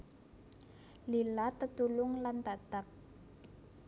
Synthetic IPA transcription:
lilat̪ət̪ulʊŋlant̪at̪ak̚

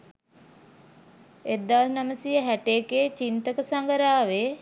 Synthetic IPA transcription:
ed̪ːaʋsnaməsijəɦæʈeːkeːt͡ʃint̪əkəsaŋɡəɾaːʋe

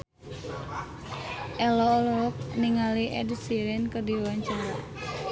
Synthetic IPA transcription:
ʔɛlɔːlɔwɔk̚niŋaliʔɛ̰dsiɾɛnkədiwaɲt͡ʃəlɔ

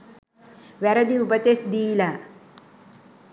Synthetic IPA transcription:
ʋɐɾɐd̪iupɐt̪esd̪iːla

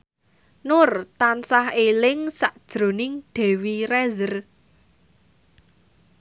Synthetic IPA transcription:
nʊrt̪ansahelɪŋsaʔd̥ʒ̥ɾo̤nɪŋɖ̥ɛ̤wirɛzər

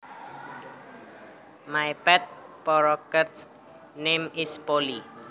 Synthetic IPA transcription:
majpɛt̪̚pɔɾɔkət̪s | nemɪspoli

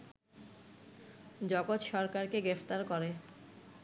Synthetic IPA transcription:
d͡ʑɔɡot̪ʃɔɾkaɾkeɡɾeft̪aɾkoɾe

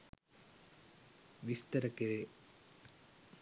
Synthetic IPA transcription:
ʋist̪ɐɾɐkːeɾe

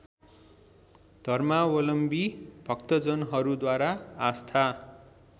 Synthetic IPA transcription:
d̪̥ʱʌrmawʌlʌmbibʱʌkt̪ʌd͡zʌnɦʌɾud̪waɾaːst̪ʰa

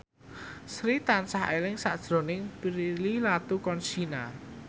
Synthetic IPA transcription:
sɾit̪ansaɦelɪŋsaʔd̥ʒ̥ɾo̤nɪŋpiɾililat̪ukɔnt͡ʃina

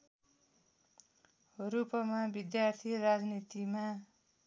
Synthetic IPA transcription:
rupʌmabid̪jart̪ʰirad͡znit̪ima

